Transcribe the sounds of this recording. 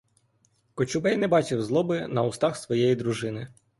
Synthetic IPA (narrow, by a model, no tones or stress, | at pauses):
kɔt͡ʃʊbɛjnɛbɑt͡ʃɪwzlˠɔbɪnɐʊst̪ɑxsʋɔjɛjid̪ɾʊʒɪnɪ